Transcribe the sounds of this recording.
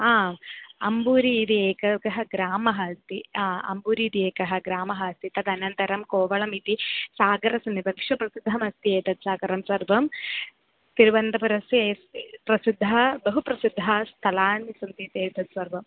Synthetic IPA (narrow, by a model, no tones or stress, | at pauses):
aːɐmbuːɾiːt̪ieːkɐkɐɦɐɡɾaːmɐɦɐst̪iaːɐ̰mbuːɾiːt̪ieːkɐɦɐɡɾaːmɐɦɐɐst̪it̪ɐd̪ɐnɐnt̪ɐɾɐmkoːʋɐɭɐmit̪isaːɡɐɾɐsɐmibʱɐkʂɐpɾɐsid̪ʱːɐmɐst̪ieːt̪ɐt̪saːɡɐɾɐmsɐɾʋɐm | siɾʋɐnt̪ɐpɐɾɐseːsipɾɐsid̪ʱːɐbɐɦupɾɐsid̪ʱːɐst̪ʰɐlaːnisɐnt̪it̪eːɾt̪ɐt̪sɐɾʋɐm